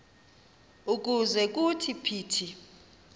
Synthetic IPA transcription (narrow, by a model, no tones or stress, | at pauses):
uk̬ʼuzɛk̬ʼutʰipʰiːtʰi